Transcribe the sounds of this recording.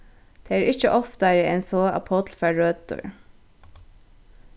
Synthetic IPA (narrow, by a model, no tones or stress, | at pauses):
d̪̥eːæːɹʔɪçəʔɔft̪ɑɾəɛnsɔːɑ̰pʰɔt̪l̩fæɹøːt̪̚t̪ɔ̰ɹ